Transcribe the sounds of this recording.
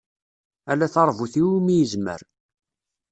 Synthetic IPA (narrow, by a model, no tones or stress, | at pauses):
ælæθɑɾˤvuθiwimijəzmə̰ɾ